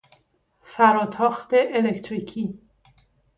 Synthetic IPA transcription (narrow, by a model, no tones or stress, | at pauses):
fæɾɒːt̪ʰɒːxt̪eʔelect̪ʰɾiːcʰiː